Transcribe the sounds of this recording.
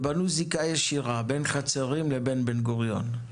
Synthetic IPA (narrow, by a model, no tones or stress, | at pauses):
banuzikajeʃiʁabenχat͡seʁimlebenbenɡoʁjo̞̰n